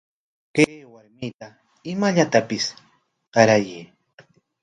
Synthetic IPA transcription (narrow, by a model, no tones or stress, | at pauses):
keːwaɾmɪt̪a | ɪmaʎat̪apɪs | ɢɑɾajiː